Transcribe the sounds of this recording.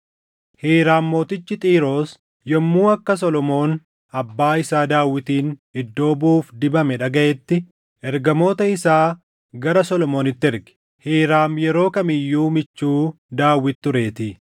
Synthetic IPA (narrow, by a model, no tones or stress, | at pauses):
heːɾaːmːo̞ːt̪ɪt͡ʃːɪt̪ʼiːɾo̞ːs | jɔmːuːɐkːɐs̬ɔlɔmo̞ːn | ɐbːaːɪsaːd̪aːwːɪt̪iːnɪd̪ːo̞ːbuːfd̪ɪbɐmɛᶑɐɡɐʔɛt̪ːɪ | ʔɛɾɡɐmo̞ːt̪ɐɪsaː | ɡɐɾɐsɔlɔmo̞ːnɪt̪ːɛɾɡɛ̥ | heːɾaːmjɛɾo̞ːkɐmɪjːuːmɪt͡ʃːuː | d̪aːwːɪt̪ːʊɾe̞ːt̪ɪ